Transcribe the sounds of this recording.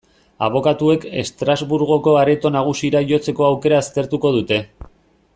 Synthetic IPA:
a̰β̞o̞kat̪ue̞ke̞̰st̪ɾazβuɾɣo̞ko̞aɾe̞t̪o̞naɣ̞usiɾaʝo̞t͡se̞ko̞awke̞ɾaːst̪e̞ɾt̪uko̞ð̞ut̪e̞

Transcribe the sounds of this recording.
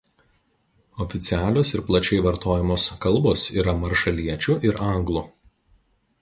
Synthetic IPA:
ɔfʲɪt̪sʲɪæːlʲoːsɪɾplˠɐt͡ʃʲɛɪʋɐɾt̪oːjɛmoːskɐlˠˑboːsḭːɾɐmɐɾʃɐlʲiɛt͡ʃʲuʔɪɾɐˑŋɡlˠu

